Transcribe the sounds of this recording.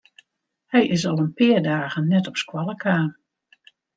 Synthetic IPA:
hɛjʔɪsɑlˠənpɪːrdaːɣənːɛtɔpskwɑlˠəkʰaːn

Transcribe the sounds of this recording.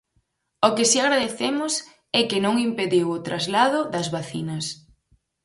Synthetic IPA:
okɪsiaɣɾaðeθemʊs | ɛkɪnõŋimpeðiwʊt̪ɾʔazlaðʊðɐzβaθinɐs

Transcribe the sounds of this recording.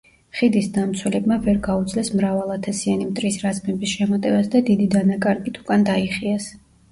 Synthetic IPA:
χid̪isd̪amt̪sʰwɛlɛbmavɛɾɡaud̪zʼlɛsmɾavalˠat̪ʰasianimt̪ʼɾisɾazmɛbisʃɛmat̪ʼɛvasd̪ad̪id̪id̪anakʼaɾɡit̪ʰukʼand̪aiχiɛs

